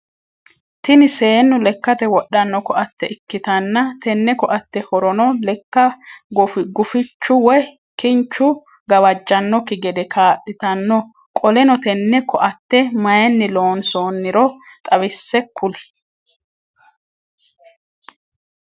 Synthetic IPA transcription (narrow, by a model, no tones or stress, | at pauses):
t̪ɪnɪseːnːʊlɛkːɐt̪ɛwɔɗːɐnːɔkɔɐt̪ːɛʔɪkːɪt̪ɐnːɐt̪ɛnːɛkɔʔɐt̪ːɛhɔɾɔnɔlɛkːɐɡɔfɪɡʊfɪt͡ʃːʊwɔj | kɪnt͡ʃːʊ | ɡɐwɐd͡ʒːɐnːɔkɪɡɛd̪ɛkʰaːʔɪt̪ɐnːɔ | kʼɔlɛnɔt̪ɛnːɛkʰɔʔɐt̪ːɛmɐjɛnːɪloːnsoːnːɪɾɔt̪ʼɐβɪsːɛkʰːʊlɪ̥